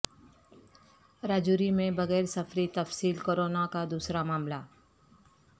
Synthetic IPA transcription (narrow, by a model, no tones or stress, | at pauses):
ɾaːd͡ʒuːɾimẽbɐɣɛːɾsɐfɾit̪ɐfsiːlkoːɾoːnakad̪uːsɾamaːmla